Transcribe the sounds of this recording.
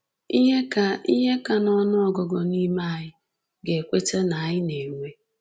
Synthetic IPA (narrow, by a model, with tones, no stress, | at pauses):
i˦ɦe˦ka˨i˦ɦe˦ka˨nɔ˦nɔ˦ɔ˨ɡɔ˨ɡɔ˨ni˦ma˦˨ɲɪ˦ | ɡe˨kʷe˦t͡ʃe˦na˨ɲɪ˦ne˨ŋʷe˦